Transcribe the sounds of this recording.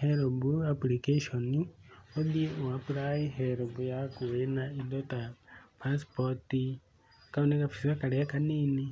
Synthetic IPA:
heɾobuaplikeʃonioðieʔoapuɾaiɦeɾobujakuwenaidotapaspoti | kaunekafi̥siwakaɾejakaniːni

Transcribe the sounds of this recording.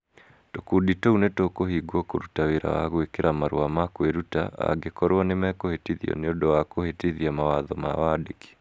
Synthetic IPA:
tokuditounetokohiɡwɔkoɾutaweɾa̰wa̰ɣwekeɾamaɾw̰amakweɾuta̰a̰ɡekɔɾwɔnemɛkohetiðiɔ̰neodɔwakohetiðiamawaðɔma̰wadeki̥

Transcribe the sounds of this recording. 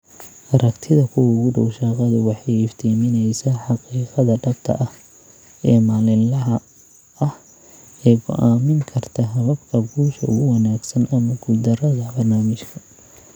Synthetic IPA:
ʔɐɾɐkt̪ʰɪðɐkʰʊwɐʊɣʊɖɔwʃɑːqɑðʊwɑħɑjɪft̪ʰiːmɪnɛjsɐħɑqiːqɑðɐɖɐb̚t̪ʰɐ̰ʔɐh | ɛːmaːlɪlɐɦɐ | ɐh | ɛːɡʰʊ̰ʔaːmɪŋkʰɐrt̪ʰɐɦɐβɐbkʰɐbuːʃɐʔʊ̰ɣʊwɑnaːɡsɐnʔɐmɐɡʊd̪ɐrɐðɐbɐrnaːmɪʃkʰɐ

